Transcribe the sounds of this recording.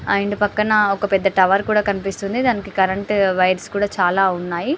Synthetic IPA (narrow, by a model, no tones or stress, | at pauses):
ɐjɳɖupɐkːɐnɐɔkɐpɛd̪ːɐʈɐʋɐɾkuːɽaːkɐnipist̪und̪id̪aːnikikɐɾɐɳʈʋɐjɾskuːɽaːt͡ʃaːlaːunːaːji